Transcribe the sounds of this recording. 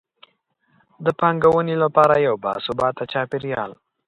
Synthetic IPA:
d̪əpɑŋɡawənelapɑɾajawbɑ̰sʊbɑt̪at͡ʃɑpɪɾjɑl

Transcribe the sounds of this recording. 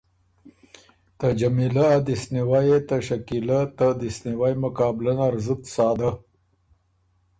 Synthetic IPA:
t̪ad͡ʒamilaːd̪isniwajet̪aʃakilat̪ad̪ɪsniwajmʊkɑːblanaɾzət̪sɑːd̪a

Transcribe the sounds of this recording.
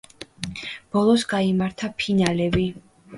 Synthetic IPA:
b̥ɔlˠɔsɡaimaɾt̪ʰapʰinalɛbi

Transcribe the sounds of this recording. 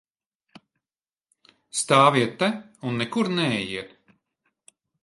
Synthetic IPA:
st̪aːviɛt̪ːɛunːɛkuɾnɛɛjiɛt̪

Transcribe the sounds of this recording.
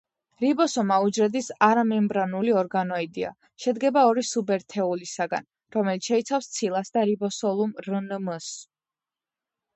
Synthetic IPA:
ɾibɔsɔmaud͡ʒɾɛd̪isaɾamɛmbɾanuliɔɾɡanɔid̪ia̰ | ʃɛd̪ɡɛbaɔɾisubɛɾt̪ʰɛulisaɡa̰n | ɾɔmɛlit̪sʃɛit̪sʰafst̪sʰilˠasd̪aɾibɔsɔlˠumɾnməs

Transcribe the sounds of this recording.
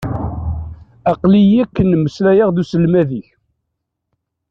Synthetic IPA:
ɑqlijækːənːəmːəslæjəʁðusəlmæðiç

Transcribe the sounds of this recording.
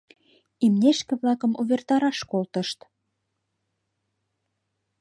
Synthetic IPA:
imneʃkĕβlɑkə̆muβert̪ɑɾɑʃkolt̪ə̆ʃt̪

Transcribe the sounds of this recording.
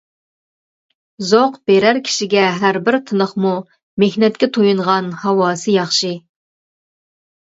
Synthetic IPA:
zoqb̥eɾæɾkʲʰi̥ʃiɡʲɛɦæɾbɪɾt̪ʰɨnəχmu | mehnɛt̪̚kʲɛt̪ʰojuɴʁɑnhɑwɑːsɨjɑχʃɨ

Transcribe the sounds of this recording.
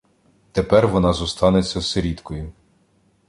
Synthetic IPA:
t̪epɛrʋɔnɑzɔst̪ɑnet͡sʲːɐseɾʲid̪kɔjʊ

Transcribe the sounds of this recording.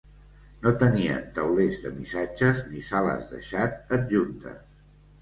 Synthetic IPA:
not̪əniə̰nt̪əwlezðəmisad͡ʒəznisalə̰zðə̰ʃat̪̚əd̪̚ʒunt̪ə̰s

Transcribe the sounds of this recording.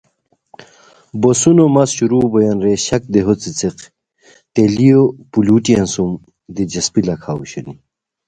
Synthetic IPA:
bosunomɐsɕuɾuːbojɐnɾeɕɐk̚d̪eɦot͡sit͡seq | t̪elijopuluːʈiɐnsum | d̪id͡ʑɐspilɐkʰaːṵɕɐni

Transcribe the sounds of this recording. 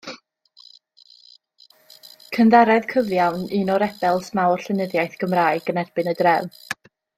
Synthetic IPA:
kʰənðaɾɛðkʰəvjawnɨnɔɾɛb̥ɛlˠsmawr̥ɬɨnəðjajθɡ̥əmraːjɡ̥ənɛrb̥ɨnədrɛw

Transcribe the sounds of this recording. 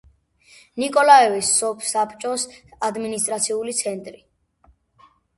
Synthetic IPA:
nikʼɔlaɛvisːɔpʰsapʰt͡ʃʼɔsad̪minist̪ʼɾat̪sʰiulit̪sʰɛnt̪ʼɾi

